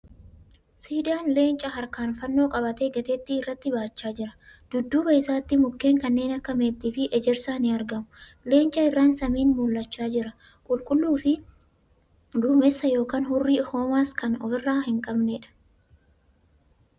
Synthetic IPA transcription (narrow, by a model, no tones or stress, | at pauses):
siːd̪aːnle̞ːnt͡ʃʼɐɦɐɾkaːnfɐnːo̞ːkʼɐbɐt̪eɡɛt̪ɛt̪ːɪːrːɐt̪ːɪbaːt͡ʃːaːd͡ʒɪɾɐ̥d̪̥ʊd̪ːuːbɐɪsaːt̪ːɪmʊkːe̞ːŋkɐnːe̞ːnɐkːɐmeːt̪ːiːfɪʔɛd͡ʒɛɾsaːnɪɐɾɡɐmʊ | le̞ːnt͡ʃʼːɐɪrːaːnsɐmiːnmʊlːɐt͡ʃːaːd͡ʒɪɾɐ | kʼʊlkʼʊlːuːfɪ | d̪uːmɛsːɐjo̞ːkaːnhʊrːiːho̞ːmaːskɐnɔfɪrːaːhɪŋkʼɐbneːᶑɐ̥